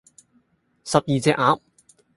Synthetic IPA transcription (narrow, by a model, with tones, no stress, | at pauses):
sɐ˨p̚jiː˨t͡sɛː˧ʔaː˨˥m